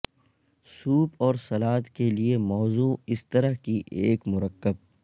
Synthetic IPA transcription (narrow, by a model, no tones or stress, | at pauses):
suːpɔːɾsɐlaːt̪keliemɔːzuːɪst̪ɐɾəɦkiʔḛːkmʊɾəkːəb̚